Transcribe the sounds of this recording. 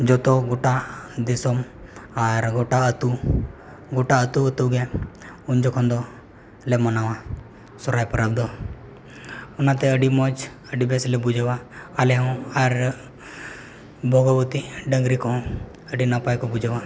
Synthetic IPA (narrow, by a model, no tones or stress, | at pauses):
d͡ʒɔt̪oɡoʈad̪ɪsɔmaɾɡoʈaət̪u | ɡoʈaət̪uət̪uɡeund͡ʒɔkʰɔ̃nd̪o | lemɐnaʋã | sɔɾajpəɾab̚d̪ɔ | ʊnãt̪ɛəɖimɔd͡ʒ | əɖibeslɛbud͡ʒʱeʋaaleɦɔ̃aɾ | bʱoɡɔʋət̪iɖə̃ŋɡɾikɔ̃ | əɖinapajkobud͡ʒʱeʋa